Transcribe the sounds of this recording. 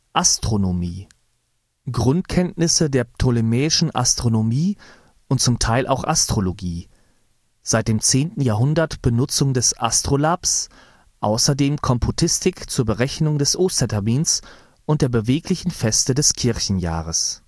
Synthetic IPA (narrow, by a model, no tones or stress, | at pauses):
ʔastʁ̥onomiː | ɡ̥ʁʊntkʰɛntnɪsədeːɐtʰolimɛːɪʃn̩ʔa̰stʁ̥onomiː | ʔʊnt̚t͡sʊmtʰaɪlʔa̰ʊxʔa̰stʁ̥oloɡiː | z̥aɪt̚d̥eːmt͡seːntn̩jaːɦʊndɐtb̥ənʊt͡sʊŋdɛsʔa̰stʁ̥olaps | ʔa̰ʊsɐdeːmkʰɔmpʰotʰɪstʰɪkt͡suːɐbəʁɛçnʊŋdɛsʔoːstɐtʰɛɐmiːns | ʔʊnt̚d̥eːɐbəveːklɪçn̩fɛstədɛskʰɪɐçn̩ja̰ːʁəs